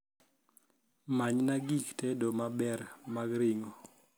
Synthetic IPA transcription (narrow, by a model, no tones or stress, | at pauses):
maɲnaɡiktedomabɛɾmaɡɾɪŋo